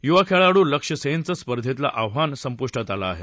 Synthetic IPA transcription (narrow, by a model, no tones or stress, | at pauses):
juʋakʰeɭaɽuːləkʂəsent͡səspəɾd̪ʱet̪la̰ʔaʋɦansəmpuʂʈat̪alaːɦe